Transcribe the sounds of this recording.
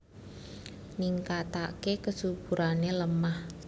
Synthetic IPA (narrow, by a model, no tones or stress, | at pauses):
niŋkat̪akekəsubuɾʔaneləmah